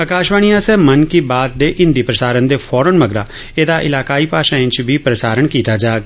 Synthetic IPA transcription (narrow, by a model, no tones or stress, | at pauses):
əkaːʃʋaːɳijãsɛːmənkibaːt̪̚d̪eːʔɪ̃nd̪iːpɾəsaːɾənd̪eːfʰɔːɾənməɡɾaː | eːd̪aʔɪ̰laːkaːiːpaːʃãːẽt͡ʃbʱipɾəsaːɾəɳkiːt̪aːd͡ʒaːɡ